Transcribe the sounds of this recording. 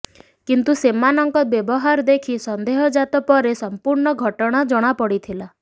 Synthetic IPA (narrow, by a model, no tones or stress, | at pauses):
kint̪usemanɔŋkɔbjebɔɦaɾd̪ekʰisɔnd̪eɦɔd͡ʒat̪ɔpɔɾesɔmpuɾɳɔɡʱɔʈɔɽ̃ad͡ʒɔɽ̃apɔɽit̪ʰila